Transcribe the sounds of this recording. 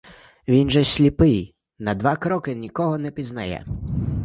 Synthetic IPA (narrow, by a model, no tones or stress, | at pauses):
ʋʲinʒɛsʲlʲipɪj | nɐd̪ʋɑkɾɔkɪnʲikɔɦɔnɛpʲiznɐjɛ̰